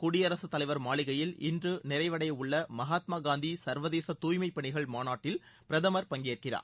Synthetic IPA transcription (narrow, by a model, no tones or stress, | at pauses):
kʊɽɪjɐɾɐsɯt̪ːɐlɐɪʋɐɾmaːɭɪɣɐjɪlʔɪndrɯnɪɾɐɪʋɐɽɐjʊɭːɐmɐɦaːt̪maːɡaːnd̪isɐɾʋɐðeːsɐt̪uːjmɐɪpːɐɳɪɣɐɭmaːnaːʈːɪlpɪɾɐðɐmɐɾpɐŋɡeːrkɪra̰ːɾ